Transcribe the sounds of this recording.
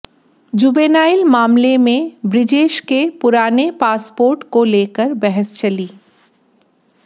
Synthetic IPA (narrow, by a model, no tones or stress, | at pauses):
d͡ʒuːbeːnaːɪlmaːmlemẽbɾɪd͡ʒeːʃkepʊɾaːnepaːspoːɾʈkoleːkəɾbɛɦəst͡ʃɐliː